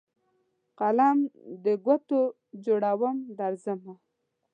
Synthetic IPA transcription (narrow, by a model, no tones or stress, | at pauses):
qalamd̪əɡwat̪o | d͡ʒoɽawəmd̪aɾzəma